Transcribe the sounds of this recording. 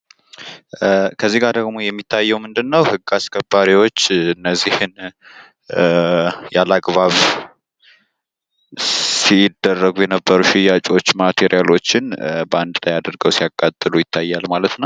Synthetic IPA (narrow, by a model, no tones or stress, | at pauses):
kʰəzːiɡaɾd̪əɡmo̞jɛmːit̪ʰːajːɛwmɨnd̪ɨnːəwhɨɡːaskʰʼəbaɾiwo̞t͡ʃːɨnːəzːihɨn | jalaɡβaβ | sid̪ːərːəɡujɛnəbːəɾuʃɪjat͡ʃʼo̞t͡ʃːmat̪ʰeɾijalo̞t͡ʃːɪnbəand̪lajad̪əɾɡəwsijakʼːat̪ʼːɨlujɪt̪ʰːajːalmalət̪nəw